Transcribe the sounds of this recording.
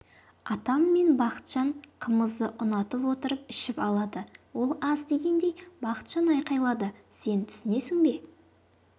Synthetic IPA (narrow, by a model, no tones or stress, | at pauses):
ɑt̪ɑmːe̞nbɑqə̥t̪ʃɑɴqʰəməzd̪əʔʊnɑt̪əpwo̞t̪əɾəp̚ɪʃɪpɑlˠɑd̪əwo̞lˠɑzd̪e̞ɡʲe̞nd̪e̞jbɑqə̥t̪ʃɑnɑjqɑjlˠɑd̪əse̞nt̪ʰʏ̥sɪne̞sɪŋbe̞